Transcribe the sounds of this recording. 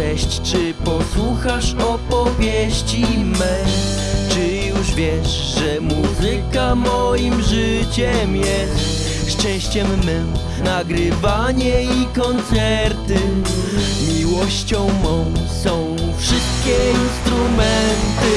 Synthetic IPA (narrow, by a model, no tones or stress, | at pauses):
ɛɕt͡ɕt͡ʂɘ | pɔswuxaʂɔpɔvʲjɛɕt͡ɕimɛ | t͡ʂɘ | juʐvʲjɛʂ | ʐɛmuzɘkamɔjimʐɘt͡ɕɛmjɛst̪ | ʂt͡ʂɛ̃w̃ɕt͡ɕɛmːɛ | naɡɾɘvaɲɛikɔnt̪sɛɾt̪ɘ | mʲiwɔɕt͡ɕɔ̃w̃mɔ̃w̃sɔ̃w̃ | fʂɨst̪̚kʲɛinst̪ɾumɛnt̪ɘ